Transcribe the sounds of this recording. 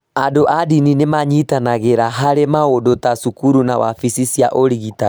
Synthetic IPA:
adoʔadininemaɲitanaɣeɾaɦaɾemaodotasukuɾunawa̰fisisja̰ʔoɾiɣita

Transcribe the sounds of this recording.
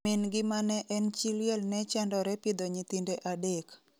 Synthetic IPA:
ɪnɡɪmanɛʔɛnt͡ʃiljɛlnɛt͡ʃɛndɔɾɛpid̪ɔɲit̪indeʔadek

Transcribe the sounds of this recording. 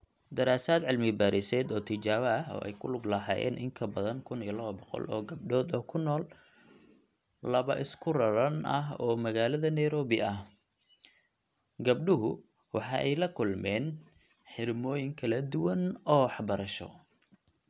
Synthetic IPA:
d̪ɐɾaːsaːd̪ʕɪlmɪbaːɾɪsɛːd̪ɔːt̪ʰɪt͡ʃaːβɐːɦɔ̰ːʔɛ̰jkʰʊlʊɡlɐɦɑːjɛ̰ːnʔɪŋkʰɐbɐðɐŋkʰʊnijɐlɐβɐbɔqɔ̰lʔɔːɡɐb̚ɖɔːd̪ɔːkʰʊnɔːl | ɐβɐʔɪskʰʊrɐɾɐnɐ̰ɦɔːmɐɣaːlɐðɐnɛjɾɔːβɪʔɐh | ɡɐbɖʊɦʊ | wɑħɑ̰ːʔɛjlɐkʰʊlmɛːn | ħɪrmɔːjɪŋkʰɐlɐd̪ʊwɐnɔːɑħbɐɾɐʃɔ̰

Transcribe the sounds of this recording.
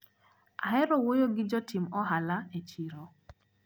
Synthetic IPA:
aɦɛɾɔwojoɡɪd͡ʒɔtimɔɦalaet͡ʃiɾo

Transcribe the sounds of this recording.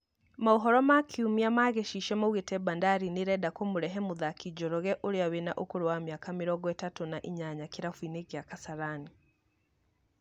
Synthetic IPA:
maoɦɔɾɔmakʰeumiamaːɣeʃiʃɛmawetɛbandaɾineɾɛdakomoɾɛɦɛmoðakid͡ʒɔɾɔɣɛʔoɾeawenaʔokoɾowamjakameɾɔɡɔɛtatonaʔiɲaɲakeɾafuinekeakasaɾani

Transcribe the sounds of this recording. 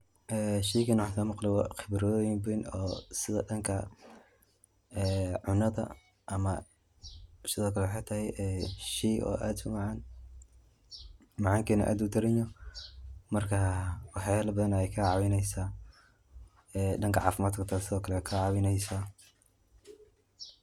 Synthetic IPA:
ʔɛːʃiːkɐnwħsɐːmɑqlɛwɑ̰ːqɪbɾɔjmbɪnɔ̰ːsɪðɐ̰ɗɐŋkʰɐ | ɛːʕʊnɐðɐ̰ | ʔɐmɐ | sɪðɔːkʰɐlɛwħejt̪ʰɐɦɛjʔɛːʃijʔɔ̰ːʔaːd̪sʊmɑʕaːn | mɑʕɑːŋkʰɛːnɐ̰ʔa̰ːd̪ud̪ʰɪɾɛɲɔ | mɐrkʰawɑħjalɐbɐðɐnɛjkʰaʕɑwɪnɛjsaː | ɛːɖɐŋkʰɐʕɑ̰ːfɪmaːd̪kʰɐt̪ʰasɪðɔːkʰɐlɛkʰaʕɑwɪnɛjsa

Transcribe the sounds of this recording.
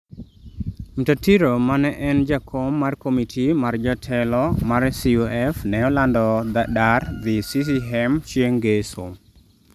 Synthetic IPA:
mtatiɾomanɛʔɛnd͡ʒakʰomːarkomitʰimard͡ʒɔtʰɛlɔmaɾsiuɛfnɛɔlandɔd̪adard̪ɪsis̬iɦɛmt͡ʃeŋɡeso̰m

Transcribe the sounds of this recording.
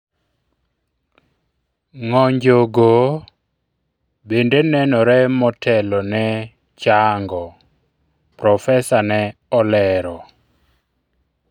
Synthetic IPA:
ŋɔɲd͡ʒoɡo | bendenɛnɔɾɛmɔtʰɛlɔnɛ | t͡ʃaŋɡɔ | pɾɔfɛsanɛɔlɛɾɔ

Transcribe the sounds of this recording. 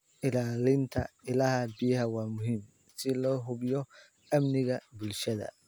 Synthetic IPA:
ʔɪlaːlɪnt̪ʰɐ̰ɪlahɐbɪjɐhɐwaːmʊɦim | sɪlɔːɦʊbjɔ | ɐmnɪɣɐbʊlʃɐðɐ̰

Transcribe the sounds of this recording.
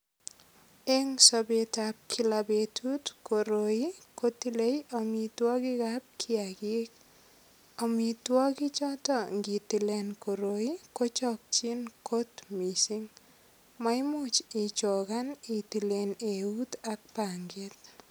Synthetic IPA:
eŋsɔbetap̚kʰilabetʰutkoɾoikotilejɔmitwɔkɪkap̚kʰɪakik̚ | ɔmitwɔkit͡ʃɔtɔŋɡitilenkoɾoikot͡ʃɔk̚t͡ʃinkotmisiŋ | maɪmʊt͡ʃit͡ʃokanitileneut̪ak̚paŋɡet̪

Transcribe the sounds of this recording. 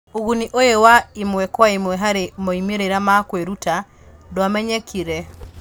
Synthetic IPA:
uɣuniʔojewaimwɛkwaimwɛɦaɾemɔimeɾeɾamakweɾuta | dɔamɛɲɛkiɾɛ

